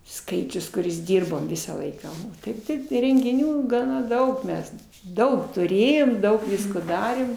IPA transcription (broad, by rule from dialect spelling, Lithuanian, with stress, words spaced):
ˈskɐɪt͡ʃʲʊs kʊˈrʲɪs ˈdʲiːrboːm ˈʋʲɪsɑː ˈlˠɐɪkɑː oː ˈtɐɪp tɐɪ rʲɛŋʲɡʲɪˈnʲuː ɡɐˈnɐ ˈdɐʊk ˈmʲɛs ˈdɐʊk tʊˈrʲeːjoːm ˈdɐʊk ˈʋʲɪskoː ˈdɑːrʲeːm